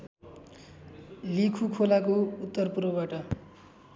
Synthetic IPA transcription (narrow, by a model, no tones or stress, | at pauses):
likʰukʰolakout̪ːʌrpurwʌbaʈʌ